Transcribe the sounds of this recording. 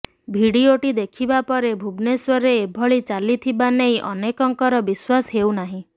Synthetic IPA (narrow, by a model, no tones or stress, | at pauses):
bʱiɽioʈid̪ekʰibapɔɾebʱubneswɔɾeːbʱɔɭit͡ʃalit̪ʰibanejʔɔ̰nekɔŋkɔɾɔbiswasɦewnaɦĩ